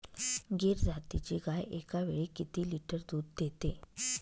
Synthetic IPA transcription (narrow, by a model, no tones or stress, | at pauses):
ɡeɾd͡zʱat̪it͡ɕiɡajekaʋeɭiːkit̪iːliʈəɾd̪uːd̪ːet̪e